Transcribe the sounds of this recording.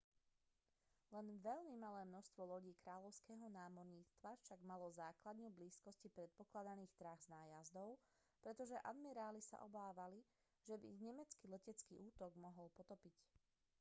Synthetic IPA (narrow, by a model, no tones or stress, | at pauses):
lɛnʋɛʎmimalɛːmnɔst̪ʋɔlɔɟiːkɾaːʎɔʊskɛːɦɔnaːmɔɾɲiːt͡st̪ʋafʃaɡmalɔzaːklad̪nɲubliːskɔscipɾɛt̪̚pɔklad̪aniːxt̪ɾaɣznaːjazd̪ɔʊ | pɾɛt̪ɔʒɛʔa̰d̪miɾaːlisa̰ʔɔbaːʋali | ʒɛbiɲɛmɛt͡skilɛcɛt͡skḭːʔuːt̪ɔɡmɔɦɔlpɔt̪ɔpic